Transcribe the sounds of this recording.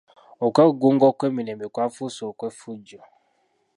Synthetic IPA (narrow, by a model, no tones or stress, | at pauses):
okʷɛɡoŋɡɔkʷɛminɛmekʷafusɔkʷɛfud͡ʒɔ